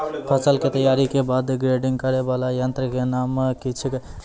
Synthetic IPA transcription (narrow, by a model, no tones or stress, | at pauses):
pʰəsəlket̪əjaɾikebad̪ɡɾeɖiŋɡkəɾebalajənt̪ɾəkenaməkit͡ʃʰiki